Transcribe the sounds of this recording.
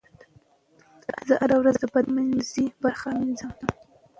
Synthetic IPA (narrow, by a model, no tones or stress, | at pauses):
d̪̥əʔazaʔaɾawɾazd̪əbad̪manzibaɾxanɪzɑmd̪a